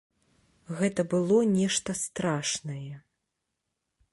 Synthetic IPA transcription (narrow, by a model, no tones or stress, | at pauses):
ɣɛt̪ɐbɨlˠɔnʲɛʂt̪ɐst̪ɾaʂnɐjɛ